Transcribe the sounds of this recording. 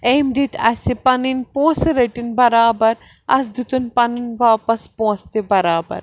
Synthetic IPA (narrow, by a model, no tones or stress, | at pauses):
eːmd̪it̪ʰɐ̰sipɐninpõːsɾɐʈinbɐɾaːbɐɾ | ɐ̰s̬d̪ut̪unpɐninʋaːpɐspõːst̪ebɐɾaːbɐ̰ɾ